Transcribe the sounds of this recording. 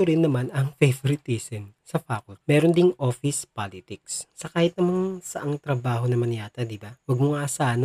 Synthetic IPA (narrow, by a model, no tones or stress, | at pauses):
ʊɾɪnːɐmanɐŋfɛjvoɾɪt̪isɛnsɐfaːkʊt̪̚mɛːɾond̪ɪŋʔoːfɪspaːlɪt̪ɪk̚sːɐkaːhɪt̪̚nɐmaŋsɐʔɐŋt̪ɾɐbaːɦo̞nɐmɐnɪjaːt̪ɐd̪ɪbawɐɡ̚mʊŋaːsaːʔɐn